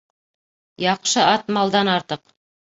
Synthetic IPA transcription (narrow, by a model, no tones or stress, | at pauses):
jɑqʃɤʔɑt̪mɑlˠd̪ɑnɑɾt̪ɤq